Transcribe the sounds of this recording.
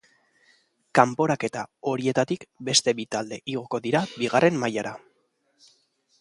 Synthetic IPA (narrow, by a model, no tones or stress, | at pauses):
kampo̞ɾake̞t̪ao̞ɾie̞t̪at̪ikbe̞st̪e̞βit̪ald̪e̞ʔiɣ̞o̞ko̞ðiɾabiɣarʔe̞mːajaɾa